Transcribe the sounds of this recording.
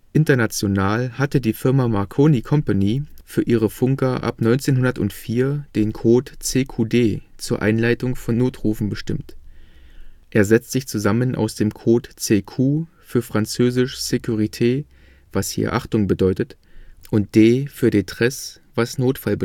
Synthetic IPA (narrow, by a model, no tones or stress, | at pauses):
ʔɪntɐnat͡sjonaːlhatədiːfɪɐmamaʁkʰoːnikʰɔmpaniːfyːɐʔiːʁəfʊŋkɐʔa̰pnɔʏnt͡seːnɦʊndɐtʊntfiːɐd̥eːnkʰoːtt͡seːkʰuːdeːt͡suːɐʔa̰ɪnlaɪtʊŋfɔnːoːtʁuːfn̩bəʃtɪmt | ʔeːɐzɛt͡stz̥ɪçt͡suzamənʔa̰ʊsd̥eːmkʰoːtt͡seːkʰuː | fyːɐfʁ̥ant͡søːzɪʃz̥ekʰuʁitʰeː | vashḭːɐʔaχtʊŋbədɔʏtətʔʊnt̚d̥eːfyːɐdeːntʁ̥ɛs | v̥asnoːtfalbə